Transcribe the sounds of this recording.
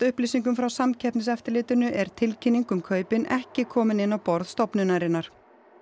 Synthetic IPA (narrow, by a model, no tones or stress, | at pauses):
t̪ʏhpliːsiŋk̬ʏmfɾawsamcʰɛpnɪsɛft̪ɪɾlɪːt̪ʏnʏʔɛɾ̥t̪ʰɪlcʰɪnːiŋkʏmkʰœːɥpɪnɛhcɪkʰɔːmɪnɪnːawpɔɾðst̪ɔpnʏnaɾɪnːaɾ̥